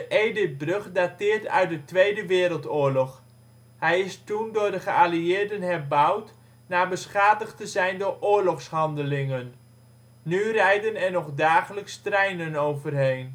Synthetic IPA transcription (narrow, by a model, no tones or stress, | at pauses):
dəʔejdɪt̚brøχdatɪːɹtœ̰ɥt̚dətʋejdəʋɪːɾəlˠtʊːɹlɔχ | hɛjɪstundʊːɹdəχəaliɪːɹdənɦɛrbʌwt | naːbəsχaːdəχtəzɛjndʊːɹʔʊːɹlɔχshɑndəlɪŋənː | yrɛjdənɛɹnɔχdaːχələkstrɛjnənowvərɦejn